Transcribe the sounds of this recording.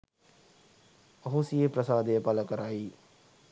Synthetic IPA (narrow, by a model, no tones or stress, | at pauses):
ɐɦosiepɾəsaːd̪epələkəɾaːiː